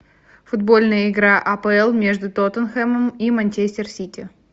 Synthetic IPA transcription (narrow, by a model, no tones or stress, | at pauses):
fʊd̪̚bo̞lʲnəjəɪɡɾaʔɐpəɛlˠmʲe̞ʐd̪ʊt̪ot̪ənxɛməmimɐnʲt͡ɕesʲɪrsʲitʲɪ